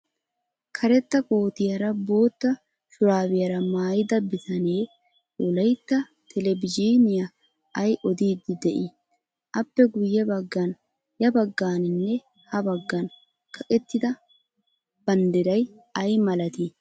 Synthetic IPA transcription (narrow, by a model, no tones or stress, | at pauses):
kʰɐɾɛt̪ːɐkʼoːt̪ɪjɐɾɐbo̞ːt̪ːɐ | ʃʊɾaːwɪjɐɾɐmaːjɪd̪ɐbːɪt̪ɐneː | ɔlɐjt̪ːɐ | t̪ʰɛlɛbɪd͡ʒiːnɪjɐ | ɐjʔɔd̪iːd̪ːɪd̪ɛʔɪ | ʔɐpːɛɡʊjːɛbɐɡːɐn | jɐbɐɡːaːnɪnːɛ | hɐbɐɡːɐn | kʰɐkʼɛt̪ːɪd̪ɐ | b̥ɐnd̪ɛɾɐj | ɐjmɐlɐt̪i